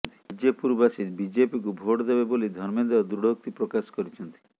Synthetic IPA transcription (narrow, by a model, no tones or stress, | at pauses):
t̪i̥d͡ʒepuɾbasit̪bid͡ʒepikubʱoʈɔd̪ebebolid̪ʱɔɾmɔd̪ebɔd̪ɾuɽok̚t̪ipɾɔkasɔ̥kɔɾit͡ʃʰɔnt̪i̥